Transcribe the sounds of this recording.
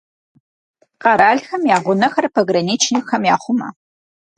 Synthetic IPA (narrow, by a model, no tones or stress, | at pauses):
qɑɾaːɮxɐmjaːʁʷʊnɐxɐrpʰɐɡrɐniːt͡ʃʰnixɐmjaːχʷʊmɐ̰